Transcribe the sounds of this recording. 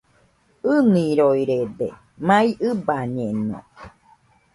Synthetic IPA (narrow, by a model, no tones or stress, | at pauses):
ɯnĩɾoiɾed̪e | mãĩʔɨbaɲẽnõ̰